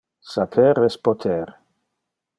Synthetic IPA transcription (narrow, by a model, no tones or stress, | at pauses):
sapʰɛɾɛspot̪ʰɛɾ